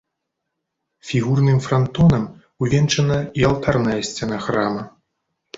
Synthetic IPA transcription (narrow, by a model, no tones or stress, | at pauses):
fʲiɣurnɨmfɾant̪ɔnɐm | wvʲɛnt͡ʂɐnɐialˠt̪arnɐjɐsʲt͡sʲɛnaxɾamɐ